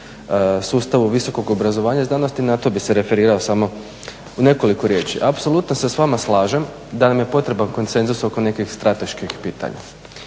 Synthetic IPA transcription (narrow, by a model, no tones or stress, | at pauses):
suːst̪aʋuʋiso̞ko̞ɡobɾazo̞ʋaːɲaiznaːno̞st̪inat̪o̞bise̞ɾe̞fe̞ɾiːɾao̞samo̞ | une̞ko̞likoɾje̞ːt͡ʃḭʔapso̞lˠut̪nosesʋamaslˠaːʒem | d̪anamje̞po̞t̪ɾe̞banko̞nt̪se̞nzuso̞ko̞ne̞kixst̪ɾat̪e̞ʃkixpiːt̪a̰ɲa̰